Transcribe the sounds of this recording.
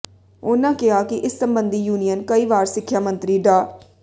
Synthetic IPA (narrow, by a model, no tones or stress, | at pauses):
ʊːnãːkɪaːkɪʔɪsːəmbənd̪iːjuːnijənkəiːʋaːɾsɪkʰːjaːmə̃nt̪ɾiːɖaː